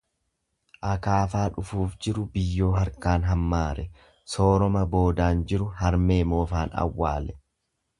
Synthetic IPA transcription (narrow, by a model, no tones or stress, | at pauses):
ʔɐkaːfaːᶑʊfuːfd͡ʒɪɾʊbɪjːo̞ːɦɐɾkaːnɦɐmːaːɾɛ | so̞ːɾɔmɐbo̞ːd̪aːnd͡ʒɪɾʊɦɐɾmeːmo̞ːfaːnɐ̰wːa̰ːlɛ